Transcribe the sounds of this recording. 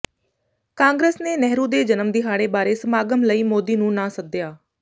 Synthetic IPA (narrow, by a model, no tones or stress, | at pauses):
kãːŋɡɾeːsneːnɛɦɾũːd̪eːd͡ʒənəmd̪iɦaːɽeːbaːɾeːsəmaːɡəmləiːmoːd̪iːnũːnãːsəd̪ɪjaː